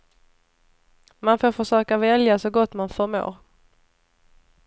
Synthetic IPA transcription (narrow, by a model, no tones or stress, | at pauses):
manfoːɾfœʂøːkavɛljasɔɡɔt̪ːmanfœɾmo̰ːɾ